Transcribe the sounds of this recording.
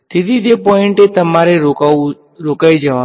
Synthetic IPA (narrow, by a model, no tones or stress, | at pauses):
t̪ɪd̪id̪epɔːɪ̃ɳʈet̪ɐmaːɾeou | ɾoːkaːid͡ʒɐʋã